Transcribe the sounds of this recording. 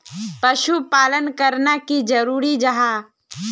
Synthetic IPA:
pɐʃupaːlənkəɾnakid͡ʒɐɾuːɾid͡ʒɐɦaː

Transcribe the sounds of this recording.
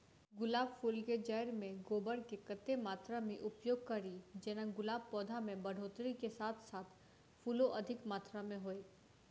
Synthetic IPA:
ɡʊlaːbfuːlked͡ʒɛːɾmẽɡoːbəɽkekɐt̪ːemaːt̪ɾamẽʔʊpjoːɡ̚kɐɾid͡ʒɛːnaɡʊlaːb̚pɔːd̪ʱamẽbɐɽ̤ʱoːt̪ɾikesaːt̪ʰsaːt̪ʰ | fʰuːloʔɐd̪ʱɪkmaːt̪ɾamẽɦoːeː

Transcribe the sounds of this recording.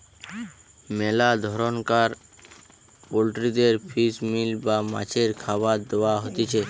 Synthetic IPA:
melad̪ʱɔɾɔnkaɾ | polʈɾid̪eɾpʰismilbama̰t͡ʃʰeɾkʰabad̪oaɦot̪et͡ʃʰe

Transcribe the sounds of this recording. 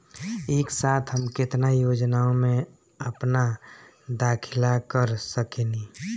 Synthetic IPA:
eːksaːt̪ʰɦəmkɪt̪najoːd͡ʒnaõmẽ | əpna | d̪aːkʰɪlakəɾsəkeni

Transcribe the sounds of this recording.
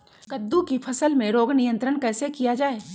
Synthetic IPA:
kɐd̪ːukipʰɐsəlmẽɾoːɡnɪjə̃nt̪ɾəñkɛːsekijad͡ʒaːeː

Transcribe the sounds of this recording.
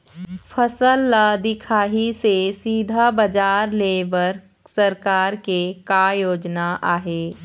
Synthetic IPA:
pʰəsəlːad̪ɪkʰaːɦisesiːd̪ʱabəd͡ʒaːɾleːbəɾ | səɾkaːɾkekajoːd͡ʒnaʔaːɦeː

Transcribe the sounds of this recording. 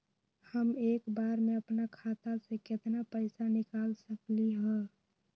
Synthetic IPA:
həmeːkbaːɾmẽəpnakʰat̪asekɪt̪napəɪsanɪkaːlsəkliɦɛ̃

